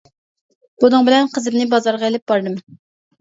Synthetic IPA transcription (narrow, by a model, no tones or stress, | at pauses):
b̥unɨŋbɪlɛnqʰəzɪmnɪbɑzɑɾʁɑelɪp̚b̥ɑɾd̪ɨm